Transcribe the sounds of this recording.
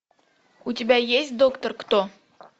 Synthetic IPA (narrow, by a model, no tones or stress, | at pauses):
ut̪ʲibæjesʲd̪okt̪ŏrkt̪o